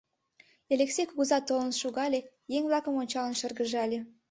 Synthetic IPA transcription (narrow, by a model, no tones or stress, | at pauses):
elʲeksʲejkuɣuzɑt̪ːolnəʃuɣɑlʲe | jeŋβlɑkə̆monʲt͡ɕɑlə̆nʃə̆rɣəʒɑlʲe